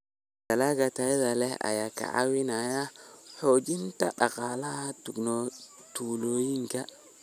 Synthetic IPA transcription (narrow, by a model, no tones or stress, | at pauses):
dalaɡataidalea̰jaka̰a̰winajahod͡ʒintaɗakalatuɡno | tulojiŋka